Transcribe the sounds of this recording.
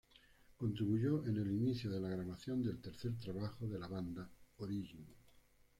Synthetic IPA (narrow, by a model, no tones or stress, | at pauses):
ko̞nt̪ɾiβuʝoʔene̞liniθjoðe̞laɣ̞ɾaβaθjo̞nd̪e̞lt̪eɾθe̞ɾt̪ɾaβ̞axoðe̞laβand̪aoɾiʝin